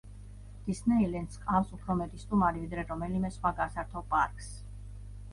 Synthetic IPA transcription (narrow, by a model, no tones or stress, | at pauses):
d̪̥isnɛilɛnd̪skʼafsupʰɾɔmɛt̪ʼist̪ʼumaɾivid̪ɾɛɾɔmɛlimɛsχwaɡasaɾt̪ʰɔpʼa̰ɾkʼs